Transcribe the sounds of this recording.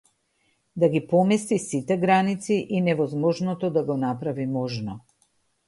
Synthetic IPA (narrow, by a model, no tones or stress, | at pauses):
d̪aɡipɔmɛst̪isit̪ɛɡɾanit̪siʔinɛvɔzmɔʒnɔt̪ɔd̪aɡɔnapɾavimɔʒnɔ